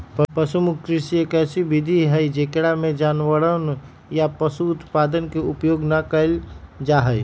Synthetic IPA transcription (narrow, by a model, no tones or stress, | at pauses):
ppəsumʊkkɾɪsiekɛːsibid̪ʱiɦəid͡ʒekɽamẽd͡ʒaːnʋəɽən | japəsuːt̪paːd̪ənkeʊpjoːɡnəkəld͡ʒaɦəj